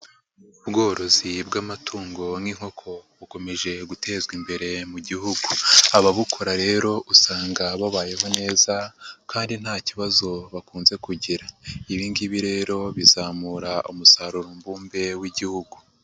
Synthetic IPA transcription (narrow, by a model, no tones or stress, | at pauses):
uβɡo̞ːɾo̞zibɡamatʰuːŋɡo̞nŋiŋ̥ho̞kʰo̞βuko̞me̞ʒe̞ɡute̞ːzɡimbe̞ɾe̞muɟihuɡuaβaβukʰo̞ɾaɾe̞ːɾo̞ʔusaːŋɡaβaβaːje̞ɦo̞ne̞ːzakaːndin̥haːciβazo̞βakuːnze̞kuɟiɾaiβiːndiβiɾe̞ːɾo̞βizaːmuːɾaʔumusaɾuɾombuːmbe̞wiɟihuɡu